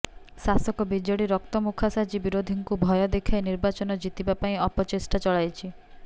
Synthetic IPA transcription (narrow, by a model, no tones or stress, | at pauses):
sasɔkɔbid͡ʒɔɽiɾɔk̚t̪ɔmukʰasad͡ʒibiɾod̪ʱiŋkubʱɔjɔd̪ekʰajniɾbat͡ʃɔnɔd͡ʒit̪ibapaĩɔpɔt͡ʃesʈat͡ʃɔɭajt͡ʃʰi